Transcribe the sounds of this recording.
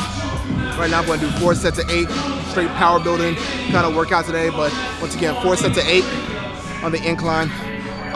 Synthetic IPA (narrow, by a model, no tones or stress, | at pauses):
ɹaɪtnaʊ̃mɡʌ̃nɨdɨfɔɹsɛtʰɨʔeɪt̚θɹ̥eɪt̚pʰaʊə˞bɪlˠdɪ̃ŋ | kʰãɪ̃ndəwɜ˞kaʊtʰɨdeɪbʌt̚ | wʌ̃nsɨɡɛ̃nfɔɹsɛtʰɨeɪɾ̚ | n̩ðiʔɨ̃nkʰl̥ãɪ̃n